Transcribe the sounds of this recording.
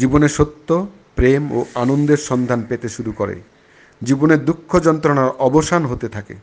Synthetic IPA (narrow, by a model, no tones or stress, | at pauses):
d͡ʑiboneʃot̪ːo | pɾemo̰anond̪eɾʃɔnd̪ʱanpet̪eʃuɾukoɾḛ | d͡ʑiboneɾd̪ukʰːod͡ʑɔnt̪ɾonaɾɔboʃanɦot̪et̪ʰakḛ